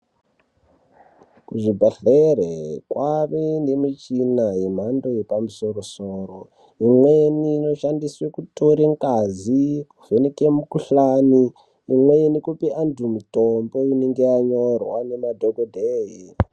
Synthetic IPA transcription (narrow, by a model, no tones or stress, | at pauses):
kuʐibʱaɬerekwaβendemit͡ʃinaɦim̤ando̞jepamusorosoːro | imweniːno̞ʃandiswekutoɾeŋkazikuvenekemukuɬaniː | mweinikupiʔantʰumutombouneŋɡeaɲorwanemadʱoɡodʱeːɦi